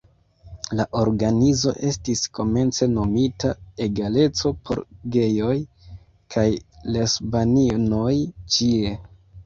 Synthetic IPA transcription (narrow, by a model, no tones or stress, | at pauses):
laʔo̞ɾɡanizo̞̰ʔe̞stisko̞me̞nt͡se̞no̞mitae̞ɡale̞t͡so̞pʰo̞̰ɾɡe̞jo̞j | kʰajlesbanino̞jt͡ʃie̞